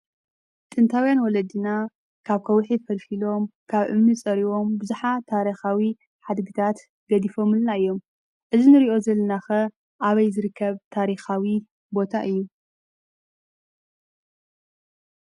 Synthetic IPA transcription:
t̪ʼɨnt̪ʰawjanwɔlɐd̪ina | kʰaβkʰɐwħifɐlfilo̞mkʰaβʔɨ̰mnit͡sʼɐɾiwo̞mbɨzuħat̪ʰaɾixawi | ħad̪ɡɨt̪ʰat̪ | ɡɐd̪ifo̞mɨlnaɨjːo̞m | ʔɨzinɨɾiʔo̞zɐlːɐnaxɐ | ʔaβɐjzɨɾɨkʰːɐβt̪ʰaɾixawi | bo̞t̪ʰaʔɨjːu

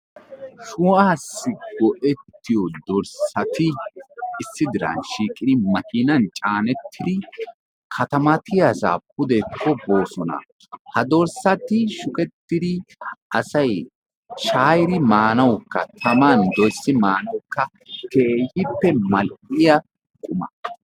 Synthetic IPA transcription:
ʃʊwaːsːɪɡɔʔɛt̪ːɪjɔd̪ɔɾsɐt̪ɪ | ɪsːɪd̪ɪɾɐ̰nʃiːkʼɪd̪ɪmɐkiːnɐnt͡ʃʼaːnɛt̪ːɪd̪ɪ | kʰɐt̪ɐmɐt̪ʰɪjɐsa̰p̚ʊd̪ɛkʰːɔbo̞ːsɔnɐ̰ | hɐd̪ɔɾsɐt̪ɪʃʊkʼɛt̪ːɪd̪ɪʔɐsɐj | ʃaːjɪɾɪmaːnɐwkːɐt̪ʰɐmɐnd̪ɔjsːɪmaːnɐwkːɐ | kʰeːjɪpːɛmɐlʔɪjɐ | kʼʊmɐ̰

